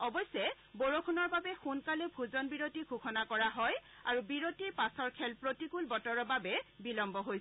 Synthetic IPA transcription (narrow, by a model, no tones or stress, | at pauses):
ɔbɔjsɛ | boɹokʰunɔɹbabɛxunkalɛbʱuzɔnbiɹotiɡʱuxʰɔnakɔɹaɦɔj | aɹubiɹotiɹpasɔɹkʰɛlpɹotikulbɔtɔɹɔbabɛbilɔmbɔɦojs